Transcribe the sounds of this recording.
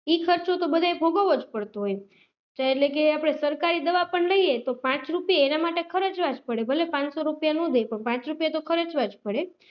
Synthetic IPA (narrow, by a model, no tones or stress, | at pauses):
ikʰəɾt͡ʃot̪obəd̪ʱaebʱoɡaʋod͡ʒpəɽt̪oɦoj | d͡ʒaeeʈlekeapɽ̃esəɾkaɾid̪əʋapəɳləijet̪opãt͡ʃɾupjaenamaʈekʰəɾət͡ʃʋad͡ʒpəɽebʱəlepãt͡ʃsoɾupjanõd̪ʱepəɳpãt͡ʃɾupjat̪okʰəɾət͡ʃʋad͡ʒpəɽe